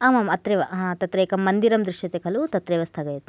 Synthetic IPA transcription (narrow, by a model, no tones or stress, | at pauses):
aːmamɐt̪ɾeʋɐɦãːt̪ɐt̪ɾeːkɐmːɐnd̪iɾɐmd̪ɾiʃʂjɐt̪ekʰɐlut̪ɐt̪ɾeːʋɐst̪ʰɐɡɐjɐt̪